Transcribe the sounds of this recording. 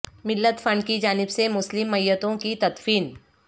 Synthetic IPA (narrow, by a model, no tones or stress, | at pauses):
mɪlːət̪fʰɐ̃ɳɖkid͡ʒaːnɪbsemʊslɪmːɐjːət̪õkit̪ɐt̪fiːn